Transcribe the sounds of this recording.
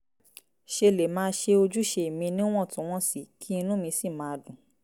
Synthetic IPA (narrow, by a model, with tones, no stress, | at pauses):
ʃe˧le˨mãː˦ʃe˧o˧d͡ʒu˦ʃe˧i˨mĩ˧nĩ˦w̃ɔ̃˦˨tũ˨˦w̃ɔ̃˦si˦˨kʰi˦i˧nũ˦mĩ˧si˦˨mãː˨˦dũ˨˦